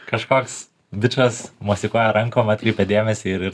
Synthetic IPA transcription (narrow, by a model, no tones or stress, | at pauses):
kɐʃkoːks | d̪ʲɪt͡ʃoːsmuɔsʲɪkuɔjɛɾɐŋkoːmɑt̪ʲkɾʲɛɪpʲɛd̪ʲeːmʲɛsʲɪɪɾɪɾ